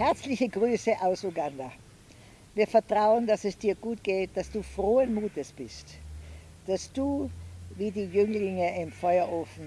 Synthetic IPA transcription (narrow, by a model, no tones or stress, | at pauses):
hɛɐt͡slɪçəɡʁyːsəʔaʊsuɡanda | viːɐfɛɐtʁ̥aʊəndasɛsd̥iːɐɡuːtɡ̥eːt̚d̥asd̥uːfʁoːənmuːtəsb̥ɪst | d̥asd̥uːviːdiːjʏŋlɪŋəɪmfɔʏɐʔoːfn̩